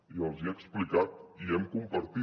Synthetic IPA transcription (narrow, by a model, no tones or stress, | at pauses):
iəlˠziəksplikat̪iɛmkumpəɾt̪i